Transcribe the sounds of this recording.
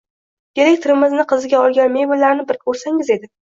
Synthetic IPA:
kʲeɾek̚ʲt̪ʰɪɾɪmɪznɪqʰɨzɪɡʲaɒlˠɡʲanme̞jbʊlaɾnɪbɪɾkʰʲɵɾsaŋɪze̞d̪ɪ

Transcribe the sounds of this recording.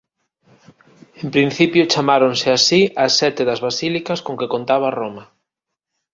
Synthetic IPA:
empɾinθipjot͡ʃamaɾonsɪasiɐsːɛt̪ɪðɐzβasilikɐskoŋkekont̪aβ̞aromɐ

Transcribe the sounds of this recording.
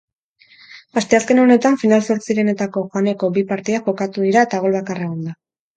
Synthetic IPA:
ast̪e̞aske̞no̞ne̞t̪aɱfinalso̞ɾt͡siɾe̞ne̞t̪ako̞ʝoaneko̞bipaɾt̪iaʝo̞kat̪uð̞iɾae̞t̪aɣ̞o̞lβakareɣ̞ond̪a

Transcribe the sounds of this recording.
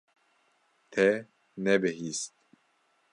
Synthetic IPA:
t̪ʰɛ | nɛbɨɦist̪̚

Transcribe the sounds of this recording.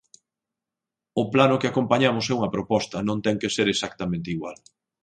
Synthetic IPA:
ʊplanʊkɪakompaɲamʊsɛuŋɐpɾopɔst̪ɐnõŋt̪ɛŋkeseɾesak̚t̪ɐmẽnt̪eiɣwal

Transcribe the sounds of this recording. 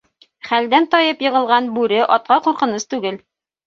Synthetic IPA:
χæld̪ænt̪ɒjɤpjɤ̆ʁɤ̆lˠʁɑnbʉɾɘʔɒt̪̚qɑquɾqɤ̆nɤst̪ʉɡɘl

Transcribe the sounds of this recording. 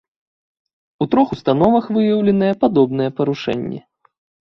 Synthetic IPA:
ut̪ɾɔxust̪anɔvɐxvɨjɐwlʲɛnɨjɛpad̪ɔbnɨjɛpɐɾuʂɛ̰nʲːɛ̰

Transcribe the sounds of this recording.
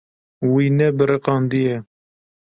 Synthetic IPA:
winɛbɨɾɨqɑːnd̪ijɛ

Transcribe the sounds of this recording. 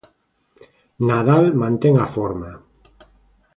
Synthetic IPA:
naðalmãnt̪eŋafoɾma

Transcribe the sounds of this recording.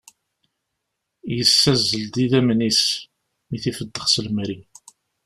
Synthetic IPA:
jəsːæzːəld̪iðæmnis | miθifəd̪ːəχsəlmɾi

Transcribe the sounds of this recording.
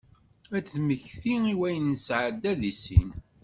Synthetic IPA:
æθməçθiiwæjənːəsʕəd̪ːæðisḭn

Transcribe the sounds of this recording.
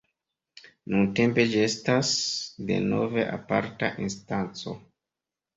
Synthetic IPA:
nunte̞mpe̞d͡ʒie̞stasde̞̰no̞ve̞ʔapa̰ɾta̰ʔinstant͡so̞̰

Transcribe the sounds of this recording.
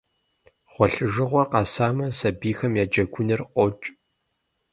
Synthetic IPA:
χʷɔɬɨʒɨʁʷɔrqɑsaːmɐsɐbiːxɐmjaːd͡ʒɐɡʷʰʊnɨrʷɔt͡ʃʼ

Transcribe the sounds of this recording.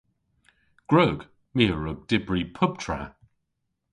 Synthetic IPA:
ɡ̥ɹoːɡ̥ | miːəɹʊɡ̚d̥ɪbɹipʰʊb̚tʰɹa̰

